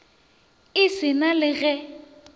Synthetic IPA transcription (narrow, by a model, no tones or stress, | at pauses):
ɪsɪnalɪɣɛ